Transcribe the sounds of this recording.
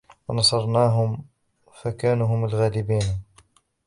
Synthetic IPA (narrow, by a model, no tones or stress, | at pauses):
wɑnɑsˤɑɾˤnaːɦʊm | fakaːnuɦʊmalɣaːlɪbiːn